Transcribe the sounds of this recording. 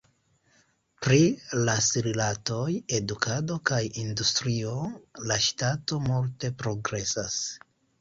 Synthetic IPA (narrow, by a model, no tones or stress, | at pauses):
pɾilasiɾilato̞je̞dukʰado̞kajindustɾio̞laʃtato̞multe̞pɾo̞ɡɾe̞sas